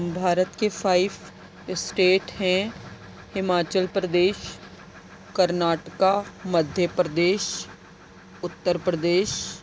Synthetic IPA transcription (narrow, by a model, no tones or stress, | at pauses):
bʱaːɾət̪kefʰaːɪb | sʈeːʈɦɛ̃ | hɪmaːt͡ʃəlpɾəd̪eːʃ | kəɾnaːʈkaməd̪ʱjəpɾəd̪eːʃ | ʊt̪ːəɾpɾəd̪eːʃ